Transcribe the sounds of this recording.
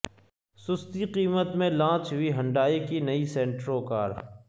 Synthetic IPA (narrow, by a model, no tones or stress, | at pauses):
sʊst̪iqiːmət̪mẽlãːt͡ʃɦʊiɦɐ̃ɳɖaːikinɐisẽːɳʈɾoka̰ːɾ